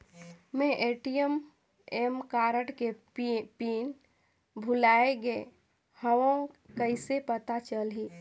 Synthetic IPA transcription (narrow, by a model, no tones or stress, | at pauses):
mẽʔeʈijəm | emkaɾəʈke | pin | bʱulaeɡe | həʋõkəɪsepət̪at͡ʃəlɦi